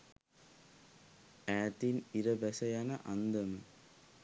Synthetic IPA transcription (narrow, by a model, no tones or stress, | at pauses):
æːt̪iniɾəʋæsɐjanɐ̰ʔand̪ɐmə